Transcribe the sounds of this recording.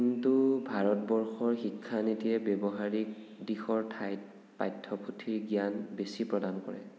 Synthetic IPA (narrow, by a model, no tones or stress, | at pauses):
kintubʱaɹɔtbɔɹxɔɹxikʰːanitiɛbjɔbɔɦaɹik̚ | dixɔɹtʰajt | pajtʰːɔpʰutʰiɹɡijanbesipɹɔdankɔ̰ɹɛ̰